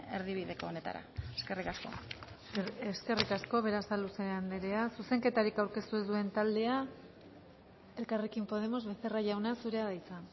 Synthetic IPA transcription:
eɾðiβiðe̞koːne̞t̪a̰ɾa̰eske̞rikasko̞̰ | eske̞rikasko̞β̞e̞ɾasaluseand̪eɾeasuse̞ŋke̞t̪aɾikawɾke̞st̪uezd̪ue̞nt̪ald̪e̞a | e̞lkare̞kimpo̞ð̞e̞mo̞zβe̞θe̞raʝawnasuɾe̞aðajt͡sa

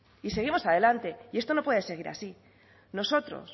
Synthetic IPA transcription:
ise̞ɣ̞imo̞saðe̞lant̪e̞iest̪o̞no̞pwe̞ðe̞se̞ɣ̞iɾa̰si | no̞so̞t̪ɾo̰s

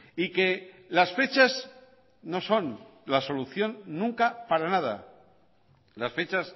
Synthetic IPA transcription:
ike̞ | lasfe̞t͡ʃaz | no̞so̞nlaso̞luθjo̞nːũŋkapaɾanað̞a̰ | lasfe̞t͡ʃas

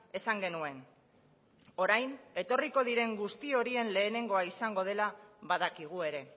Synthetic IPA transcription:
e̞saŋɡe̞nue̞n | o̞ɾajne̞t̪o̞riko̞ð̞iɾe̞ŋɡust̪io̞ɾie̞nle̞ːne̞ŋɡo̞aisaŋɡo̞ð̞e̞laβaðakiɣ̞ue̞ɾe̞

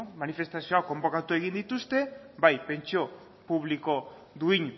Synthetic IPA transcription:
manife̞st̪asioako̞mbo̞kat̪ue̞ɣ̞ind̪it̪ust̪e̞bajpe̞nt͡ʃo̞ | puβ̞liko̞ | ðuiɲ

